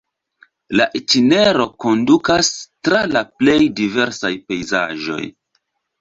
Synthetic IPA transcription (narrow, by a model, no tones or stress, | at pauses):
laʔetine̞ɾo̞ko̞ndukastɾalaple̞jdive̞ɾsajpe̞jza̰ʒo̞̰j